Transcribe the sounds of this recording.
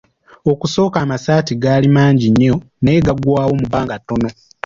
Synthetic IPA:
okuso̞ːkaːmasaːtiɡaːlimaːɲɟiɲːo̞ | neɡaɡwaːwo̞muβaːŋɡatːo̞no̞

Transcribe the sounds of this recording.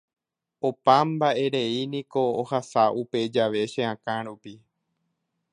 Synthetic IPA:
opãmbaʔe̞ɾe̞inĩko̞ːhasaʔupe̞d͡ʒaʋe̞ʃẽãkãɾupi

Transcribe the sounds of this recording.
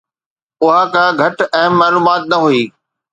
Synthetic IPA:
ʊɦakãːɡʱɐʈɛ̃ːaːluːmaːt̪̚nɐɦuiː

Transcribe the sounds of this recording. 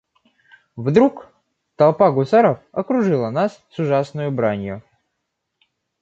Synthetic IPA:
vd̪ɾuk | t̪ɐlˠpaɡʊsaɾəfɐkɾʊʐɨlˠənassʊʐasnʊjʊbɾanʲjʊ

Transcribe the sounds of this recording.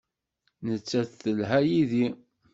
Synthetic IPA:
nət͡sːæθθəlɦæjiði

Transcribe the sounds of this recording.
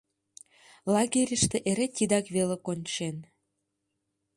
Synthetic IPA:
lɑɡeɾʲəʃt̪eʔeɾet̪ʲid̪ɑkβelekonʲt͡ɕen

